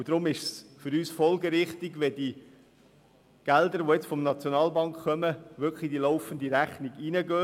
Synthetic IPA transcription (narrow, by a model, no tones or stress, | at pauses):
ud̥̪ɾʊmɪʃsfʏɾyːsfɔlɡəɾɪχt̪iɡʋɛd̥i | ɡ̥æld̪əɾʋoɛt͡sfɔmnɑt͡sjonɑːlbɑŋkkːœməʋʏkχlid̥ilɔʊfənd̪iɾæχniɡinəɡøː